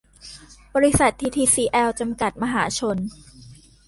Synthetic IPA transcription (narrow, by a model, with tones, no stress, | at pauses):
bɔː˧ɾi˦˥sa˨˩t̪ʰːiː˧t̪ʰiː˧siː˧ʔɛː˧wt͡ɕa˧mka˨˩t̪̚ma˧ɦaː˩˦t͡ɕʰo˧n